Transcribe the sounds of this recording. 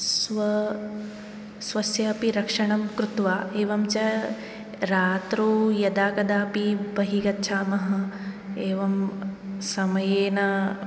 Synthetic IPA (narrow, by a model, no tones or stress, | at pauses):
sʋɐ | sʋɐsjɐɐpiɾɐkʂɐɳɐmkɾut̪ʋaːeːʋɐmt͡ʃɐ | ɾaːt̪ɾuːjɐd̪aːkɐd̪aːpibɐɦiɡɐt̪ːʃʰaːmɐɦɐ̆ | eːʋɐmsɐmɐjeːnɐ